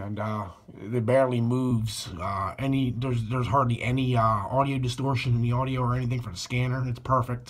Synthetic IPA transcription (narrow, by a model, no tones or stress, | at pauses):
ɨ̃n | ɨbæɹdˡlimuvz̥ʌɛniðə˞zðə˞z̥ɦɑɹdˡliʔɛniɔɾioʊdɨstɔɹʃɨ̃nɨ̃nðiɔɾioʊə˞ɛniθɪ̃ŋfə˞ðɨskæ̃nə˞ɨtspʰɜ˞fɪk̚t